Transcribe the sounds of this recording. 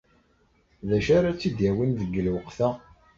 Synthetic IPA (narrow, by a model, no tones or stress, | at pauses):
ðæʃaɾat͡sːid̪jæwinðəɡːəlwəqθæ